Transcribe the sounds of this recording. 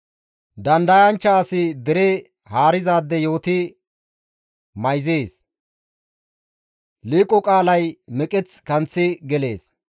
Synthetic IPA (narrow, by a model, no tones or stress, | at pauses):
d̪ɐnd̪ɐjɐnt͡ʃːɐːsɪd̪ɛɾe | haːɾɪzaːd̪ːɛjo̞ːt̪ɪ | mɐjzeːs | liːkʼːɔkʼaːlɐjmɛkʼɛt͡skɐnt͡sːɪɡɛle̞ːs